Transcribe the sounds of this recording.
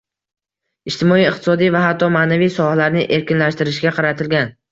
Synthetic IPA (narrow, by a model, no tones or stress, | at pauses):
ɪʃt̪ɪmɒijɪq̚t̪ʰɪ̥sɒd̪ijvaɦat̪ʰːɒmaːnavijsɒhalaɾnɪʔe̞ɾkʲɪnlaʃt̪ɪɾɪʃɡʲaqʰɑɾat̪ʰɪlɡʲan